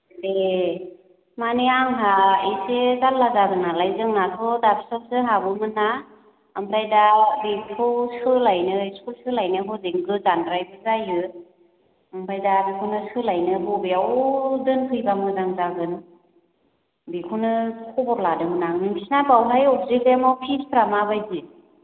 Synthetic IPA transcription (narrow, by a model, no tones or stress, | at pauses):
de | maniaŋɦaejsezanlazaɡɯnalajzɯŋnakʰɯdapsɔp̚sɯɦabɯmɯna | ɯmpʰɾajdabikʰɯwsɯlajnɯjskulsɯlajnɯɦʰɯzeŋɡɯzandɾajbɯzajɯ | ɯmpʰɾajdabikʰɯwnɯsɯlajnɯɦɔbeawdɯnkʰɯjbaŋɯzaŋzaɡɯn | bikʰɯnɯkʰɔbɔɾladɯmɯnaŋnɯmbisnabawlajɔp̚zek̚demawpʰispʰɾamabajzi